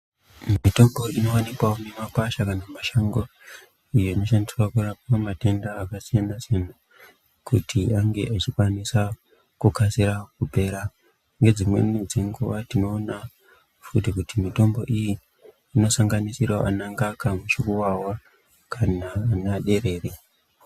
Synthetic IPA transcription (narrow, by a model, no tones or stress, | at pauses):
mito̞mbo̞ino̞wanikwaonemapaʃakanamaʃaŋɡo | ijoino̞ʃandiswakurap̚amate̞ndaːkasie̞ndasena | kutʰiaŋɡe̞ʔat͡ʃikwanisa | kukasiɾakupe̞ːɾa | ŋɡe̞d͡zimwe̞̰nid͡zeŋɡuʋatino̞ːna | fut̬ikutimito̞mbo̞ʔijiː | no̞saŋɡanisirwaʔa̰naŋɡakamut͡ʃikuwawa | kanaːnaɗe̞ɾe̞ːre